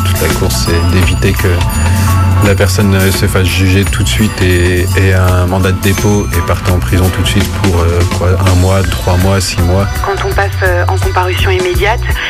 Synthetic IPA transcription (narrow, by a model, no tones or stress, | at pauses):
t̪ut̪lakuʁsːɛd̪evit̪ekə | lapɛʁsɔnsəfasʒyʒet̪ʰut̪sɥit̪eːɛ̃mɑ̃d̪ad̪əd̪epoepaʁt̪eɑ̃pχizɔ̃t̪ut̪sɥit̪pʰuʁøkwaɛ̃mwat̪χwamwasimwakɑ̃t̪ɔ̃pasøɑ̰̃kɔ̃paʁysjɔ̃imed̪jat̪